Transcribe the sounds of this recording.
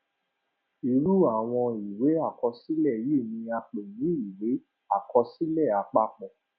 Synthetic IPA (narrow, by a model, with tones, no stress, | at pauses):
i˨ɾu˦a˨w̃ɔ̃˧i˨we˨˦a˦˨kɔ˧si˦lɛ˦˨ji˦˨nĩ˧a˧k͡pe˨jĩ˨˦i˨we˨˦ | a˦˨kɔ˧si˦lɛ˦˨a˧k͡pa˦k͡pɔ̃˨